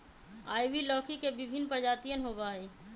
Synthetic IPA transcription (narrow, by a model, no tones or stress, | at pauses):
aːiʋilɔ̃ːkʰikebɪbʱɪnːpɾəd͡ʒaːt̪ijənɦoːɡaɦɛː